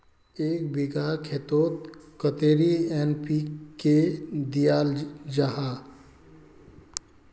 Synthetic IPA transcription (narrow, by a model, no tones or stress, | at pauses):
eːkbɪɡakʰet̪oːt̪kət̪eːɾiɛːnpiked̪ijaːld͡ʒaɦaː